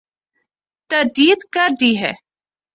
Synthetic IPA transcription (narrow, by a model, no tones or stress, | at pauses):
t̪ɐɾd̪iːət̪kɐɾd̪iːɦɛ̰ː